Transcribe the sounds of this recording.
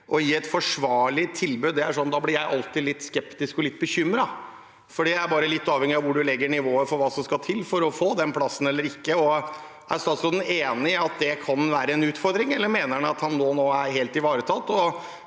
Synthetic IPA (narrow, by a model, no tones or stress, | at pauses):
ʔɔjiːɛt̪fɔʂʋɑːɭɪt̪ʰːɪlbʉːd̪ːɛæʂɔnd̪ɑːblɪɾjæɪʔɑlt̪ɪlɪt̪ːskɛpt̪ɪskɔlɪt̪̚ːbəçʏmɾɑ | fɔɖiːæɪæɾbɑːɾəlɪt̪ːɑːʋhɛŋːɪɑʋʊɖʉlɛɡːəɳɪʋoːəfɔɾʋɑːsɔmskɑt̪ʰɪlːfɔɾɔfoːd̪ɛnpʰlɑsːən̩ɛlːəɾɪkːəɔ | ʔæɾst̪ɑːt̪sɾɔd̪neːnɪɑt̪̚d̪ɛkʰɑnʋæːɾəɛnʉːt̪fɔɾd̪ɾɪŋɛlːəɾmeːnəɑt̪hɑnːoːnoːæɾɦeːlt̪ɪʋɑːɾət̪ʰɑt̪ːɔ